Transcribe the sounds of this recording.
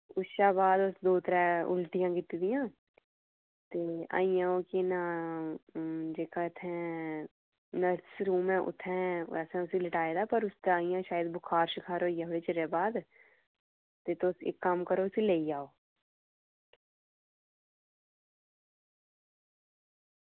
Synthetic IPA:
ʊsʃaːbaːd̪ʊsd̪oːt̪əɾɛʊ̰lʈijãːɡɪt̪id̪ijãː | t̪eːa̰ːijãːokina | d͡ʒeːkaɪt̪ʰɛ̃ | nɐsɾuːmɛ̃ʔʊ̰t̪ʰɛ̃ɛ̰ːsɛ̃ʊsilɪʈaːed̪aːpɐɾʊst̪aːĩjãːʃaːjəd̪bʊkʰaːɾʃɪkʰaːɾojaɦɽet͡ʃəɾebaːd̪ | t̪et̪osḛkːamkəɾoʊsileːid͡ʒaːoː

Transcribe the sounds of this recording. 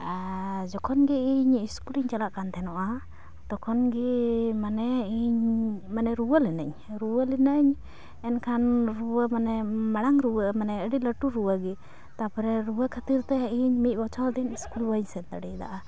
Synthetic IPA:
d͡ʒɔkʰɔnɡɛiɲiskuliɲt͡ʃalaʔkant̪ʰɛnɔʔa | d̪̥ɔkʰɔnɡimanɛiɲmanɛɾuwəlɛnə̰ɲ | ɾuwəlɛnəʔɲ | ɛnkʰanɾuwəmanɛmaɽ̃aŋɾuwəmanɛəɖiləʈuɾuwəɡɛ | t̪apɔɾɛɾuwəkʰət̪iɾt̪ɛiɲmit̪̚ˀbɔt͡ʃʰɔld̪iɲiskulbəɲsɛnd̪əɽid̪a̰ʔa

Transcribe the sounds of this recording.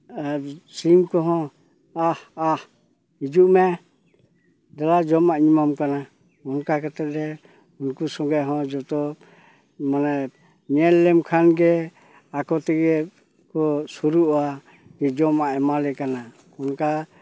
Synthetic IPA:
simkɔɦɔ̃ | ahah | hid͡ʒuʔmɛ | d̪alad͡ʒɔmaʔɲimamkana | kɔnkakat̪ɛt̪ɾɛ | unkusɔŋɡaʔɦɔ̃d͡ʒɔt̪ɔ | manɛ | ɲɛlːɛmkʰanɡɛ | akɔt̪ɛɡɛ | kɔsuɾuʔa | ɡɛd͡ʒɔmaʔɛmalɛkana | kɔnka

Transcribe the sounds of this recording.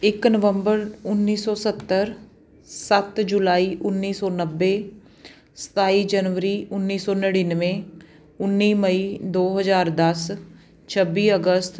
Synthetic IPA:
ɪknəʋəmbəɾʊnːiːsɔːsət̪ːəɾ | sət̪d͡ʒulaːiːʔʊnːiːsɔːnəbːeː | sə̥t̪aːiːd͡ʒənʋəɾiːʊnːiːsɔːnəɽinʋẽː | ʊnːiːməiːd̪oːɦəzaːɾd̪əs | t͡ʃʰəbiːəɡəst̪

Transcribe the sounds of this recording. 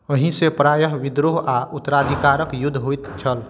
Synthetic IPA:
əɦĩsepɾaːjəɦʋid̪ɾoɦaʔut̪ːəɾaːd̪ʱikaɾəkjʊd̪ʱːɦojt̪t͡ʃʰəl

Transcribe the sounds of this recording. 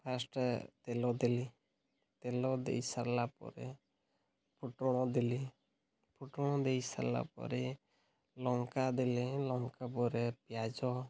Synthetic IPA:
pʰasʈt̪ɛlɔd̪ɛli | t̪ɛlɔd̪ɛ̰jsaɾlapɔ̰ɾɛ̰ | pʰuʈɔɽ̃ɔd̪ili | pʰuʈɔɽ̃ɔd̪ɛjsa̰ɾla̰pɔ̰ɾɛ | lɔŋkad̪ɛlilɔŋkapɔɾɛpjad͡ʒɔ

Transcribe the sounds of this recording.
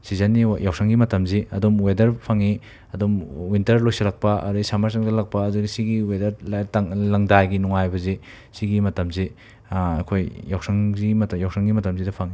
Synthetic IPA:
sizanːijawsʰaŋɡimɐtɐmziɐdumwedɐɾpʰaŋi | ɐdumwintɐɾlojsɐlak̚pɐʔɐ̰ɾisamaɾsaŋdɐlak̚pɐːduɡisiɡiwedɐɾtaŋlɐŋdajɡinuŋajbɐze | siɡimɐtɐmze | kʰojjawsaŋɡimɐtjawsaŋɡimɐtɐmzidɐpʰaŋi

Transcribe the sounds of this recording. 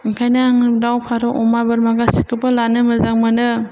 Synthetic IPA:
iŋkʰajnaŋ̚dawpʰaɾɔʔɔmabɯɾmaɡasikʰɯbɯlanɯmɯzaŋmɯnɯ

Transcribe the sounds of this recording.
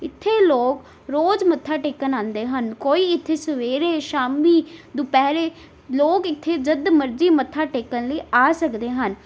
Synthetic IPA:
ɪt̪ʰːeːloːk | ɾoːd͡ʒmət̪ʰːaːʈeːkənãːnd̪eːɦənkoːiːɪt̪ʰːeːsəʋeːɾeːʃaːmiːd̪ʊpɛːɾeː | loːkɪt̪ʰːeːd͡ʒəd̪məɾd͡ʒiːmət̪ʰːaːʈeːkənləiːaːsəkd̪eːɦən

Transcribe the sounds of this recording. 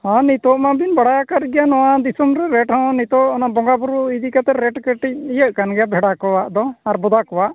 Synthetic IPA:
hãnit̪ɔʔmabinbaɽajakat̪̚ɡɛjanɔwad̪isɔmɾɛɾɛʈhɔ̃nit̪ɔɔnabɔŋɡabuɾuid̪ikat̪ɛɾɛʈkəʈic̚ijəʔ̚kanɡɛjabʱɛɽakɔwaʔd̪ɔaɾbɔd̪akɔwaʔ

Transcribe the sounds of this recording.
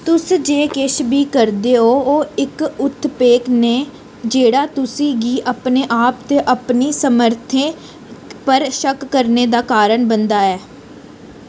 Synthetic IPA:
t̪ʊsd͡ʒeːkɪʃbiːkəɾd̪eːɦoːoːɪkʊt̪ʰːpeːkneː | d͡ʒeːɽaːt̪ʊsĩːɡiːʔəpneːʔaːpt̪eːʔəpniːsəməɾt̪ʰẽː | pəɾʃəkːəɾneːd̪aːkaːɾəɳbənd̪aːɛː

